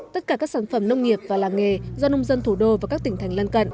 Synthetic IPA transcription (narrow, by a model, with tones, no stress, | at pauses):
t̪ə˦˥t̚kaː˧˩kaː˦˥k̚saː˧˩nfə˧˩mnə˧wŋ͡mŋi˨˩əp̚vaː˨˩laː˨˩ŋe˨˩zɔ˧nə˧wŋ͡mzə˧nt̪ʰu˧˩ɗo˧vaː˨˩kaː˦˥k̚t̪ï˧˩ŋ̟t̪ʰjŋ̟lə˧nkə̰˧˨nʔ